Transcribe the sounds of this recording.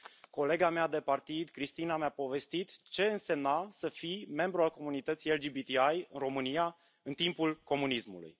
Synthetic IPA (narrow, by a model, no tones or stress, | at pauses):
ko̞le̞ɡamead̪e̞part̪id̪kɾist̪inamjapo̞ve̞st̪it̪t͡ʃe̞ɨnse̞mnasəfime̞mbɾualko̞munit̪ət̪sijeld͡ʒibit̪iajɨnro̞mɨnija | ɨnt̪impulko̞munismṵlṵj